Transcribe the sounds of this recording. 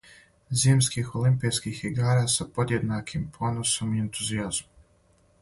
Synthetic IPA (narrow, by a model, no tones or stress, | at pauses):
ziːmskixolimpiskixiɡaːɾaːsapo̞d̪je̞d̪nakʰimpʰo̞noso̞mie̞nt̪uziazmo